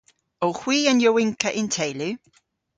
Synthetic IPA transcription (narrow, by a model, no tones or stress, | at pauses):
ohw̥iːanjəwɪŋkʰəʔɪntʰejlʉ